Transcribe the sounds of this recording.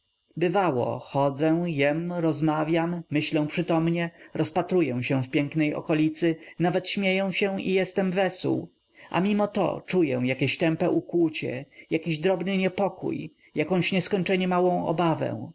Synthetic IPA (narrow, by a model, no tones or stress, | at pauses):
bɘvawɔ̰xɔd̪zɛ̃jɛmɾɔzmavʲjamːɘɕlɛ̃w̃pʂɘt̪ɔmɲɛɾɔspat̪ɾujɛw̃ɕɛ̃fpʲjɛŋknɛjɔ̰kɔlʲit̪sɘnavɛt̪ɕmʲjejɛ̃w̃ɕɛ̃ḭjɛst̪ɛmvɛsuw | ʔa̰mʲimɔt̪ɔ̰t͡ʂujɛ̃jakʲeɕt̪ɛmpɛʔukwut͡ɕɛ̰jakʲiʑd̪ɾɔbnɘɲɛpɔkṵj | jakɔ̃w̃ɕɲɛskɔɲt͡ʂɛɲɛmawɔ̃w̃ɔ̰bavɛ̰̃w̃